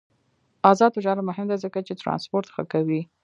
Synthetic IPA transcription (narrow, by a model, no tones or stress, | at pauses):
ɑzɑd̪oʒɑɾmʊɦɪmd̪azəkat͡ʃet̪ɾɑ̰nspoɾt̪xə̰kawi